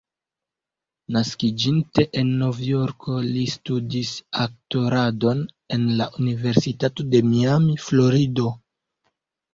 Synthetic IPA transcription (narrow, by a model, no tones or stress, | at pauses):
naskid͡ʒinte̞ʔenːo̞vjo̞ɾkʰo̞listudisak̚to̞ɾado̞n | e̞nlaʔunive̞ɾsitato̞de̞miamiflo̞ɾido̞